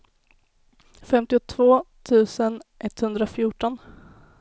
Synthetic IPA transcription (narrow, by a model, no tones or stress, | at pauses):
fɛmt̪ɪʊt̪ʰvoːt̪ʰʉ̟ːsənʔɛt̪ːhɵnd̪ɾafjuːʈɔn